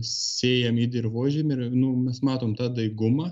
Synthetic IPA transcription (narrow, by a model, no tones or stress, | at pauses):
sʲeːjɛmiːd̪ʲɪrʋoːʒʲemɪrnʊmʲɛsmɑːt̪oːmt̪ɑːd̪ɐɪɡʊmɑ